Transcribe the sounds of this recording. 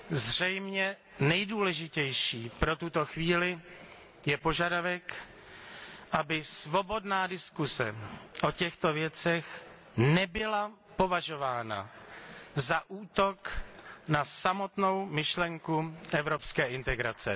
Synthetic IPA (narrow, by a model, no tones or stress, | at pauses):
zr̝ɛjmɲɛ | nɛjduːlɛʒɪcɛjʃiːpɾo̞t̪ut̪o̞xviːlɪ | jɛpo̞ʒadavɛk | ʔabɪsvo̞bo̞dnaːdɪskusɛ̰ʔo̞cɛxt̪o̞vjɛt͡sɛx | nɛbɪla | po̞vaʒo̞vaːna̰ | zaʔuːt̪o̞knasamo̞t̪no̞wmɪʃlɛŋkuʔɛvɾo̞pskɛːʔɪnt̪ɛɡɾa̰t͡sɛ̰